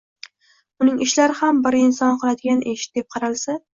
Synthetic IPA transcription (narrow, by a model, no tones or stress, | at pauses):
ʊnɪŋɪʃlaɾɪhambɪɾɪnsɒnqʰɨlˠad̪ɪɡʲanʔeʃɪ̥t̪̚d̪e̞p̚qʰɑɾalsa